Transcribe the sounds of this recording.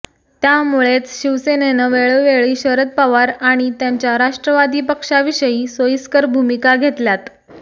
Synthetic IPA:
t̪jamuɭet͡sɕiʋsenenəʋeɭəʋeɭiːɕəɾət̪̚paʋaɾaɽ̃it̪jaɲt͡ɕjaɾaʂʈɾəʋad̪iːpəkʂaʋiɕəjiːsojiskəɾbʱumikaɡʱet̪ljat̪

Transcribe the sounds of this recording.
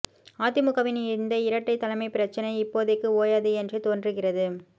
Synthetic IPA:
aːt̪ɪmʊɣɐʋɪnɪɾɯnd̪ɐɪɾɐʈːɐɪt̪ːɐlɐmɐɪpɪɾɐt͡ʃːɐnɐɪɪpːoːðɯkːɯoːjaːðɯɛndrɯt̪oːndrɯɣɪrɐðɯ

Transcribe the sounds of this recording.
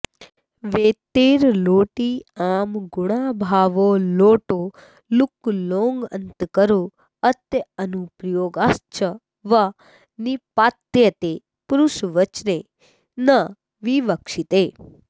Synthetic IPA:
ʋet̪eːɾloːʈiamɡuɽabʱaːʋoloːʈo | luklõŋɡə̰nt̪kəɾo | ət̪jəənupɾjoːɡast͡ʃə | ʋa | nipaːt̪jət̪e | puɾuʃʋət͡ʃne | nə | ʋiʋəkʂit̪e

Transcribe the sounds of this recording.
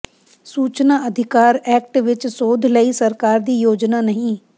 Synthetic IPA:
suːt͡ʃnaːəd̪ʱɪkaːɾɛːkʈʋɪt͡ʃsoːd̪ʱləisəɾkaːɾd̪iːjoːd͡ʒnaːnəɦĩː

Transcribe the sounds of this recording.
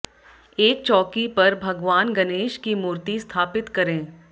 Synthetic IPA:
eːk̚t͡ʃɔːkipɐɾbʱɐɡʋaːnɡɐneːʃkimuːɾt̪ist̪ʰaːpɪt̪kɐɾẽː

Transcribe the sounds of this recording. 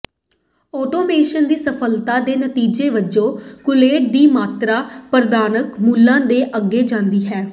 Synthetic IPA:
ɔːʈoːmeːʃənd̪iːsəpʰəlt̪aːd̪eːnət̪iːd͡ʒeːʋəd͡ʒõːkʊleːʈ̚d̪iːmaːt̪ɾaːpəɾd̪aːnəkmuːlːãːd̪eːʔəɡːeːd͡ʒãːnd̪iːɦɛː

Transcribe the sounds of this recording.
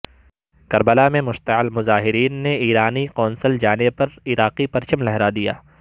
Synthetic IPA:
kɐɾbəlamẽmʊʃt̪əɪlmʊzaːɦɪɾiːnːeiːɾaːniqɔːnsəld͡ʒaːnepɐɾɪɾaːqipɐɾt͡ʃəmlɛɦɾad̪ija̰ː

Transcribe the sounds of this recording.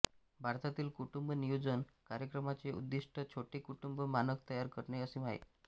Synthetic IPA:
bʱaɾt̪at̪iːlkuʈumbənijod͡zənkaɾjəkɾəmat͡seṵd̪ːiʂʈʰət͡ɕʰoʈeːkuʈumbəmanəkt̪əjaɾkəɾɳeəsimaɦḛ

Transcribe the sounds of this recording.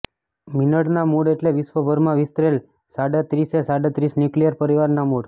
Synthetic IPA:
minəɽnamuɽeʈleʋisʋəbʱəɾmãʋist̪ɾel | saɽet̪ɾisesaɽet̪ɾisnjuklijəɾpəɾiʋaɾnamuɽ

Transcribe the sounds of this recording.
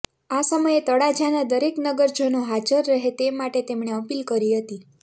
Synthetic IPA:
asəməjet̪əɽad͡ʒanad̪əɾeknəɡəɾd͡ʒʱənoɦad͡ʒəɾːəɦet̪emaʈet̪emɳ̃eəpilkəɾiɦət̪i

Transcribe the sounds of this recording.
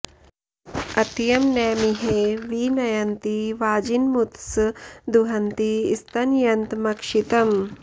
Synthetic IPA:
ɐt̪jɐmnɛːmiɦeʋinɐjɐnt̪iʋaːd͡ʒinmut̪sɨd̪uɦɐnt̪iːst̪ɐnjɐnt̪mɐkʂit̪ɐm

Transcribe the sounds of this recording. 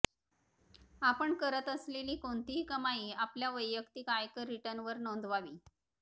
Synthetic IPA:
apəɳkəɾət̪əsleliːkoɳt̪iɦikəmaiːapljaʋəjːəkt̪ikajkəɾiʈənʋəɾnond̪ʱʋaʋiː

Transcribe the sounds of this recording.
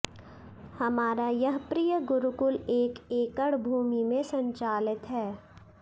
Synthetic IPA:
hɐmaːɾajɐɦpɾijəɡʊɾʊkʊleːkeːkəɽbʱuːmimẽsɐ̃ɲt͡ʃaːlɪt̪ɦɛː

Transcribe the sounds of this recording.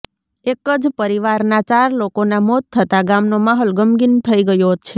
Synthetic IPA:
ekəd͡ʒpəɾiʋaɾnat͡ʃaɾlokonamot̪ʰːət̪aɡamnomaɦolɡəmɡint̪ʰəiɡəjot͡ʃʰe

